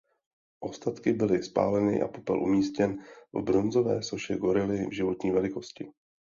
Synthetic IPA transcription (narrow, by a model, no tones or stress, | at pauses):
ʔo̞st̪at̪kɪbɪlɪspa̰ːlɛnɪ̰ʔa̰popɛ̰lʔumiːscɛnvbɾo̞nzo̞vɛ̰ːso̞ʃɛɡo̞ɾɪlɪvʒɪvo̞t̪ɲiːvɛlɪko̞scɪ